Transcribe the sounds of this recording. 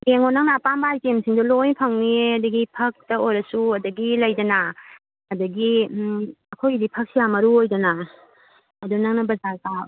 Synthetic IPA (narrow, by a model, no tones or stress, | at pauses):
jeŋonaŋnaːpambaajtemsʰiŋdɔlojpʰɐŋniɐdɐɡipʰɐk̚tɐojɾɐsuɐdɐɡilɐjdɐna | ɐdɐɡi | ɐkʰojdipʰɐk̚sijamɐɾuojdɐna | ɐdunɐŋnɐbɐzaɡa